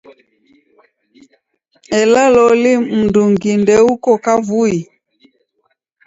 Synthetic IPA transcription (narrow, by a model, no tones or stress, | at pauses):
ɛlalɔlim̩nduŋɡindɛukɔkavui